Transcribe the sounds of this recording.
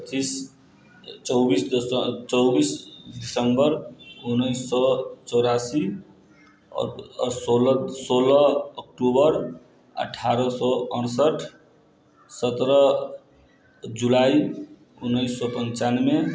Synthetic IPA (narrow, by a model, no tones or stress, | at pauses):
t͡ʃis | t͡ʃɔwbist͡ʃɔwbisɖisəmbəɾunəɪsːɔt͡ʃɔwɾasi | solsolʌːk̚ʈubəɾ | ə̰ʈʰaɾɔsɔənsəʈʰ | sət̪ɾə | d͡ʒulai | unːəjsːɔpənt͡ʃanme